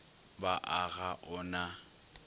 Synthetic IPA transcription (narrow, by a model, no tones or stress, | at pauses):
baʔaɣaʔʊna